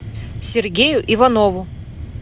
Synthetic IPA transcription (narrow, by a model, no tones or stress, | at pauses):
sʲɪrɡʲejʊʔɪvɐnovʊ